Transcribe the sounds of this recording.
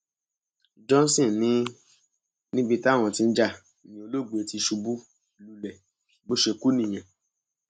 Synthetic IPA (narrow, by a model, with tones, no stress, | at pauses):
d͡ʒɔ̃˦n˦sĩ˦˨nĩ˨˦ | nĩ˦bi˧ta˦˨w̃ɔ̃˨ti˧n̩˦d͡ʒa˦˧˨ | nĩ˨o˧lo˦˨ɡ͡bu˨e˨ti˧ʃu˧bu˦ | lu˧lɛ˨ | bo˦ʃe˧˨ku˦nĩ˦˨j̃ã˨